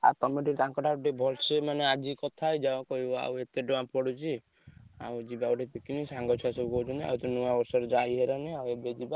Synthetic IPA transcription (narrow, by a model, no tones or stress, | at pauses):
a̰ɾt̪ɔmeʈiɾt̪ãŋkɔʈaʈibʱɔlsemanead͡ʒikɔt̪ʰaed͡ʒaakɔɦibɔa̰wet̪eɖoãpɔɽut͡ʃʰi | a̰wd͡ʒibaawʈipikinisaŋɡɔt͡ʃʰɔasɔbukɔut͡ʃʰunt̪ia̰ut̪ɔnuabɔsɔɾd͡ʒaiɦeɾɔniawebed͡ʒiba